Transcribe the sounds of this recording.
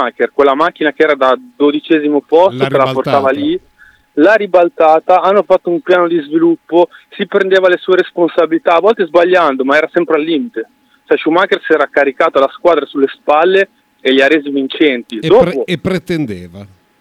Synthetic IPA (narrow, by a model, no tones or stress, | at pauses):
akerkwelːamak̟ːinakeɛːɾad̪ad̪od̪it͡ʃɛːzimopɔst̪oelaportt̪aːvali | laɾibalt̪aːt̪aanːofat̪ːoumpjaːnod̪izvilupːosipɾend̪eːvalesuːeɾesponsabilit̪aːvːɔlt̪ezbaʎːand̪omaɛːɾasɛmpɾealːiːmit̪e | t͡ʃɛʃumakersɛːɾakːaɾikaːt̪alaskwaːd̪ɾesulːespalːe | eʎaɾeːzivint͡ʃɛnt̪id̪oːopɾet̪end̪eːva